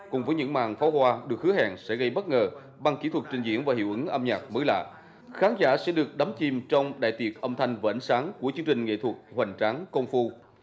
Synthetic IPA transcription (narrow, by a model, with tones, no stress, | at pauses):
kʊ̰˨˩ŋ͡mvəː˨˦jɲɨ̰˧˥ŋma̰ː˨˩ŋfa˨˦whwaː˧ɗɨ˨˩ək̚hɨ˨˦əha̰ː˨˩ŋsɛ̰˧˥ɣə˧jɓə˦˥t̚ŋəː˨˩ | ɓa˧˩ŋki˧˥t̪ʰwə˨˩t̚t͡ɕï˨˩ŋzḭ˧˥ənvaː˨˩ɦḭ˧˨wʔɨ˨˦ŋʔəː˧mɲaː˨˩t̚məː˨˦jla̰ː˧˨ | xaː˨˦nzaː˧˩sɛ̰˧˥ɗɨ˨˩ək̚ɗa˨˦mt͡ɕi˨˩mt͡ɕɔ˧wŋ͡mɗa̰ː˧˨jt̪wi˨˩ət̚ʔə˧wŋ͡mt̪ʰa˧jŋ̟vaː˨˩ʔə˧˩nsaː˨˦ŋku˧˩ət͡ɕɨ˨˧əŋt͡ɕï˨˩ŋ̟ŋḛ˧˨t̪ʰwə˨˩t̚hwa˨˩ŋ̟t͡ɕaː˨˦ŋkə˧wŋ͡mfu˧